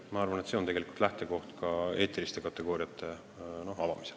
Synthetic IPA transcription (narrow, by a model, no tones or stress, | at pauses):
mɑɑrvɑnet̪seot̪e̞ɡelikult̪læht̪e̞ko̞ht̪kɑe̞ːt̪ːˑilist̪e̞kɑt̪ːˑe̞ɡoːɾiɑt̪ʰːˑe̞ | no̞hɑvɑmisel